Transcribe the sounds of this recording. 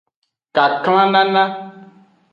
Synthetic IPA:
ka˨kl̃ã˦nã˦nã˦

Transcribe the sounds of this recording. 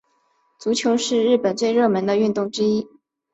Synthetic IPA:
t͡su˧˥t͡ɕʰjo˧˥ʊʂɻ̩˥˧ɻɻ̩˥˩pə˨˩nt͡swe˥˧ɪɻɤ˥˩mə˧˥nd̪ə˧y˥˧nt̪ʊ˥˩ŋʈ͡ʂɻ̩˥i˥

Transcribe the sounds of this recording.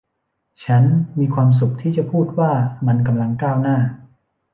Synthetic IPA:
t͡ɕʰa˦˥nmiː˧kʰwaː˧ms̬u˨˩k̚t̪ʰiː˥˩t͡ɕa˨˩pʰuː˥˩t̪̚waː˥˩ma˧nka˧mla˧ŋkaː˥˩wnaː˥˩

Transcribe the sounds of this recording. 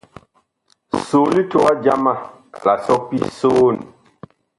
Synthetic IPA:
soː˨li˦to˦a˦d͡ʒa̰˦ma˦ | la˨sɔ˦pḭ˦so˦˨n˨

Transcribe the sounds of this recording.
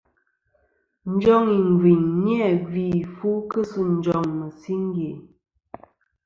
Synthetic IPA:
n̩˦d͡ʒɔ˦ŋi˨ŋ˨ɡwi˨ɲnjɛ˦˨ɡi˨fu˦kə˦su˦n̩˦d͡ʒɔ˨ŋmə˨si˦ŋ˦ɡe˨

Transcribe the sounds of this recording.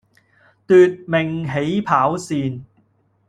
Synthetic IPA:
t̪yː˨t̚me˨˩ŋɦe˨˥jpʰaː˨˥wsiː˨˧n

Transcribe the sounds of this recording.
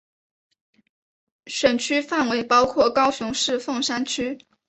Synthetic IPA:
ʂə˨˩nt͡ɕʰy˥fa˥˩nwe˧˥ɪpɑ˥ʊkʰwɔ˥˩kɑ˥ʊɕʊ˧˥ŋʂɻ̩˥˧fɤ˥˩ŋʂa˥nt͡ɕʰy˥

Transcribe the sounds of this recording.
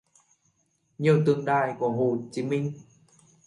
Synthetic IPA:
ɲɨ˨˧˩wt̪ɨ˧˩əŋɗaː˧˩jku˧˩əɦo˧˩t͡ɕi˨˦mï˧ŋ̟

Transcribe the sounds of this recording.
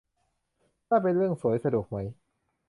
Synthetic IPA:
kaː˥˩p̬e˧nɾɯ˥˩əŋsu˩˦jsa˧du˨˩ək̚ma˦˥j

